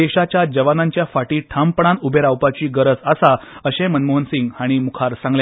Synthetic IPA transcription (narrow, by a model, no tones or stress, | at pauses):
eɕat͡ɕjad͡ʑəʋanãɲt͡ɕjafaʈiːʈʰampəɳ̃ãnubʱeɾawpat͡ɕiːɡəɾəd͡zasaəɕẽmənmoɦənsiŋɡaɽ̃imukʰaɾsãŋɡlja